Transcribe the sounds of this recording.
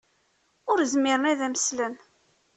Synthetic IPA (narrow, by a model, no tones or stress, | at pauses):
ʊɾzmɪɾənæðæməslən